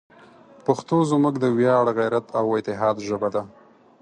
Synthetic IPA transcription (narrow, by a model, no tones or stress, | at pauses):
paxt̪ozməkd̪əwjɑɽɣajɾat̪ʰawɪt̪ɪɦɑd̪ʒəbad̪a